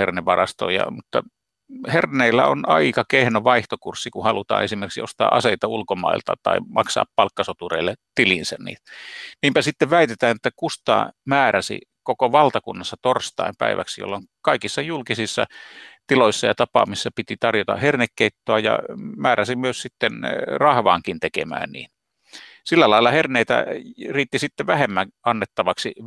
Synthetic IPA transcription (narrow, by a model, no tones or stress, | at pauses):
herneʋʋɑrɑst̪o̰ijɑ̰mut̪ːɑ | herneilːæonɑikɑkehnoʋɑiht̪okursːikuhɑlut̪ɑ̰ːnesimerksio̰st̪ɑ̰ːʔɑ̰seit̪ɑulkomɑ̰ilt̪ɑ̰t̪ɑ̰imɑ̰ksɑ̰ːppɑlkːɑsot̪ureilːet̪ilinsænnḭːt̪niːmpæsit̪ːeʋʋæit̪et̪æːnet̪ːækust̪ɑ̰ːmæːræsḭkokoʋɑlt̪ɑkunːɑsːɑt̪orst̪ɑ̰impæ̰iʋæ̰ksijo̰lːoŋkɑikisːɑjulkisisːɑ̰t̪iloisːɑjɑt̪ɑpɑ̰misːɑpit̪it̪ɑrjot̪ɑ̰hernekːeit̪ːoɑjɑ̰mæːræsimyøssit̪ːenrɑhʋɑ̰ːŋkint̪ekḛmæ̰ːnnḭːn | silːælɑilːˑɑherneit̪æ̰riːt̪ːisit̪ːeʋæhemːæŋʔɑnːet̪ːɑʋɑksi